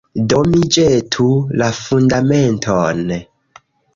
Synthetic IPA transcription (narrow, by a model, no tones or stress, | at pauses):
domid͡ʒetʰulafundamentʰon